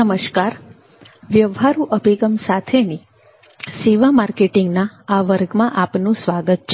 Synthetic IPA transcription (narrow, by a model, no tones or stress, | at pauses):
əməʃkaɾ | ʋjəʋɦaɾũʔəbʱiɡəmsat̪ʰeni | siʋamaɾkeʈiŋɡnaaʋəɾɡmãʔapnũsʋaɡət̪̚t͡ʃʰ